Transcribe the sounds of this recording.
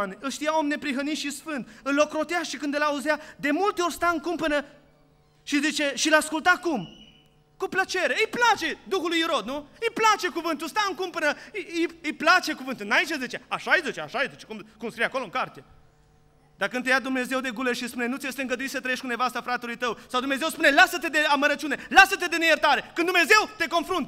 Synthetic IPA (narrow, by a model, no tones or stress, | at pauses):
nɨlʃt̪ijaomne̞pɾiɦənit̪ʃisfɨnd̪ɨllo̞kɾo̞t̪eaʃikɨnd̪əlauzjad̪e̞mult̪eo̞rʲst̪aɨŋkumpənə | ʃizit͡ʃe̞ʃilaskult̪akum | kuplət͡ʃe̞ɾeɨjplat͡ʃe̞d̪uxulujiɾo̞d̪̚nuɨjplat͡ʃe̞kuvɨnt̪̬ulst̪aɨŋkumpənəɨjɨjplat͡ʃe̞kuvɨnt̪unait͡ʃezet͡ʃeaʃajzet͡ʃeaʃajzet͡ʃe̥kumkumskɾijeakolo̞ɨŋkart̪e̞ | d̪̥akɨnt̪ejad̪umne̞ze̞wd̪e̞ɡuleʃispune̞nut̪siest̪eɨŋɡəd̪uisət̪ɾəjeʃʲkunevast̪afɾat̪elujt̪əwsawd̪umnezewspune̞lasət̪e̞d̪e̞aməɾət͡ʃune̞lasət̪e̞d̪e̞nejert̪aɾe̞kɨnd̪umneze̞wt̪e̞ko̞nfɾunt̪